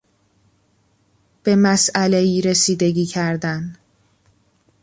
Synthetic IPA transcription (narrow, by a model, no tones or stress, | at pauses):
b̥e̞mæsælejiːɾesiːd̪e̞ɟiːcʰæɾd̪æn